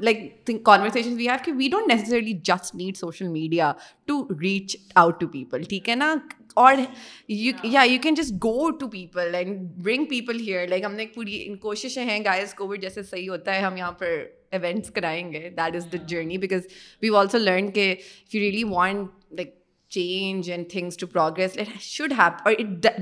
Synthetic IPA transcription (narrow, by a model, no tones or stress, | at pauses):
laɪk̚t̪ɪ̃ŋkɔ̃ːnʋəɾseːʃə̃nzʋiːɦæːʋkɪʋiːɖõːnʈ̚ːnːɛs̬es̬ɛɾɪlid͡ʒɐsʈniːɖsoːʃəlmiːɖiaʈuɾiːt͡ʃaʊʈːupiːpəlʈʰiːkɛna | ɔːɾjujajukɛ̃nd͡ʒɐs̬ʈ̚ɡoːʈupiːpəlɛ̃ɳɖbɾɪ̃ŋpiːpəlɦiəɾlaɪkɦɐmnek̚puːɾḭkoːʃɪʃẽɦɛ̃ɡaɪzkoːʋɪɖ̚d͡ʒɛːsesɐɦiɦoːt̪aɦɛɦɐ̃mjɐɦãːpɐɾ | ɪʋɛ̃ɳʈskɐɾaːẽŋɡed̪æʈɪzd̪əd͡ʒəːɾnibɪkɔzʋiːʋɔːlsoːləːɾɳkeɪfjuɾiəliʋɔ̃ːɳʈ | laɪk̚ | t͡ʃẽːnd͡ʒɛ̃nɖt̪ʰɪ̃ŋzʈupɾɔːɡɾɛslaɪkʃʊɖɦæpɔːɾɪʈ̚d